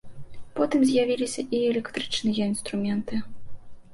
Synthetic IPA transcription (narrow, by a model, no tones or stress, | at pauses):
pɔt̪ɨmzʲjavʲilʲisʲɐʔiɛlʲɛkt̪ɾɨt͡ʂnɨjɐinst̪ɾumʲɛnt̪ɨ